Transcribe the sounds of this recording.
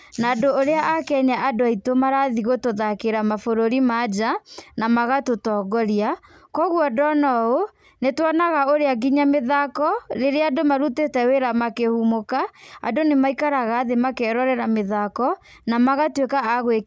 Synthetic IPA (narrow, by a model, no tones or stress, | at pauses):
naːdoːɾeaʔakɛɲaʔadoaitomaɾaðiɣotoðakeɾamafoɾoɾimad͡ʑanamaɣatotɔːɡɔɾia | kɔɣwɔdɔnɔo | netwɔnaɣaoɾeaɡiɲameðakɔɾeɾeadomaɾutetɛweɾamakehumokaa̰donemaikaɾaɣaːðemakeɾɔɾɛɾameðakɔ | namaɣatwekaaɣwe